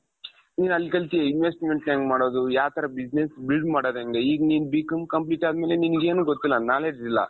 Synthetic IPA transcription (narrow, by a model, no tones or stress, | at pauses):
niːnɐlikɐlt̪ieinʋesʈimeɳʈʈaːŋɡmaːɽoːd̪ujaːt̪ʰɐɾɐbid͡ʒnesbilɖmaːɽoːd̪eŋɡeiːɡɐniːnubiːkɐmkɐmp̬liːʈaːd̪meːleniniɡeːnuːɡot̪ːilːɐnaːleːd͡ʒd̪ilːɐ̰